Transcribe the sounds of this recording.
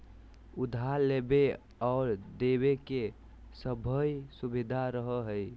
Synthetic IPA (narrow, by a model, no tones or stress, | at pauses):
ud̪ʱalebe | ɔʊɾd̪ebeke | səbʱəjsubid̪ʱaɾəɦəɦəj